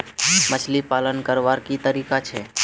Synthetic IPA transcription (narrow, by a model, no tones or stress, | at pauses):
mət͡ʃʰlipaːlənkəɾʋaːɾkit̪əɾiːkat͡ʃʰeː